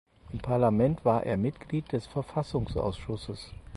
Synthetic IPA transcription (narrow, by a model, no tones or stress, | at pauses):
ʔɪmpʰaɐlamɛntv̥aːɐʔḛːɐmɪtɡ̥liːt̚d̥ɛsfɛɐfasʊŋsʔa̰ʊsʃʊsəs